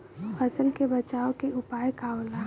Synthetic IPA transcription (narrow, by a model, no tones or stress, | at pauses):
pʰəsəlkebɐt͡ʃaːokeʊpaːjkaːola